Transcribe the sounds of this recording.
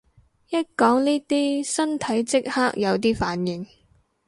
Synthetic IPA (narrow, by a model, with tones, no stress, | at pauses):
jɐ˥t̚kɔː˨˥ŋniː˥t̪iː˥sɐ˥nt̪ʰɐ˨˥jt͡sɪ˥k̚haː˥k̚jɐ˨˧wt̪̬iː˥faː˨˥njɪ˨ŋ